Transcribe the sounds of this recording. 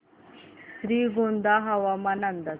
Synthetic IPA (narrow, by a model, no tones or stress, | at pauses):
sɾiːɡond̪aɦɐʋɐmɐnɐnd̪ɐ